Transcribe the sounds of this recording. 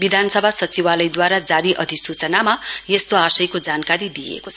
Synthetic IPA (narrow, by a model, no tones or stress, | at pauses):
bid̪ʱansʌbʱasʌt͡siwalʌjd̪waɾad͡zaɾiʔʌd̪ʱisut͡sʌnamajest̪oasʌjkod͡zankaɾid̪ijḛkot͡sʰʌ